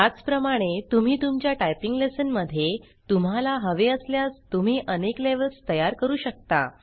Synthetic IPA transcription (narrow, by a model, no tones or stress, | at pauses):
at͡spɾəmaɽ̃et̪um̤iːt̪umt͡ɕjaʈajpiŋɡlesənməd̪ʱːje | t̪um̤alaɦəʋeəsljast̪um̤iːʔənekleʋəlst̪əjaɾkəɾuːɕək̚t̪a̰